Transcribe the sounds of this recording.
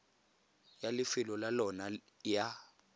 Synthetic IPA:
jalifilɔlalɔna | ja

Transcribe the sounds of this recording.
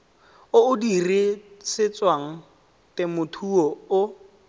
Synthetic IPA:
ʊʊdirisɪt͡sʼwaŋ̩ | tɪmʊtʰuɔʊ

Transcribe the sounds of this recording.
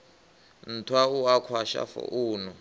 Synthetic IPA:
n̩tʰwauakʰwaʃa̰fɔ̰ʔuːnɔ

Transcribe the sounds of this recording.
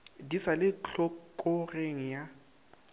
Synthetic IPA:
disalɪɔkʼɔreŋ̩ja

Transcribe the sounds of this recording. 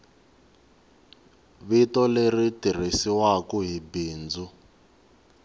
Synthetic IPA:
βitɔleritir̤isiwakuɦibiːnd͡zu

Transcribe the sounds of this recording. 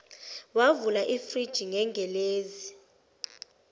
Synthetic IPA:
wavulaʔifrid̥ʒ̥ʱiŋɛŋɡʱɛleːzi

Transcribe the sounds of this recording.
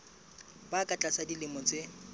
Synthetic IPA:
bakʼat͡ɬʼasadilɪmɔt͡sɪ

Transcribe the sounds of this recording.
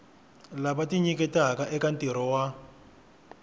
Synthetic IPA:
labatiɲikɛtakaʔɛkantiɾɔwa

